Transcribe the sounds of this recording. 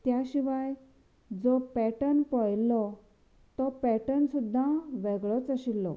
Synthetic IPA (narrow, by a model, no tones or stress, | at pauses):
t̪jaɕiʋaj | d͡zɔpɛʈənpɔjlɔ | t̪ɔpɛʈənsud̪ʱːãʋeɡɭɔt͡səɕilːɔ